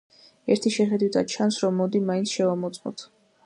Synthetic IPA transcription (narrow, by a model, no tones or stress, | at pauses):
ɛɾt̪ʰiʃɛχɛd̪wit̪ʰat͡ʃʰansɾɔmːɔd̪imainsʰʃɛvamɔt̪sʼqʼɔ̰t̪ʰ